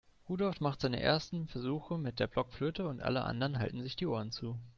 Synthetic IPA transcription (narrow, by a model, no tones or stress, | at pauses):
ʁuːdɔlftmaχtz̥aɪnə̰ʔḛːɐstn̩fɛɐzuːxəmɪt̚d̥eːɐblɔkfløːtəʊntʔa̰ləʔa̰ndəʁənɦa̰ltn̩zɪçd̥iːʔoːɐənt͡suː